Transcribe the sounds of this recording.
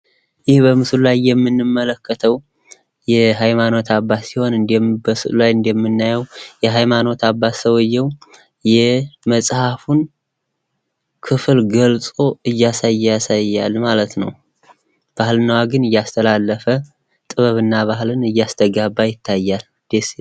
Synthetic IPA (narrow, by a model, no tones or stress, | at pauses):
jɪhbəmɨslulajːɛmːɨnːɨmːələkʰːət̪ʰəw | jɛɦajmano̞t̪ʰabːasiho̞nɨnd̪bəsɨlajɨnd̪jɛmːɨnːajɛwjɛɦajmano̞t̪ʰabːasəwjːɛw | jɛməsʼhafun | kʰɨfɨlɡəlsʼo̞ɨjːasajːjasajːalmalət̪nə̰w | b̥ahlɨnawaɡɨnɨjːast̪ʰəlalːəfə | t̪ʼɨβəβɨnːaβahlɨnɨjːast̪ʰəɡabːajɪt̪ʰːajːal | d̪̥es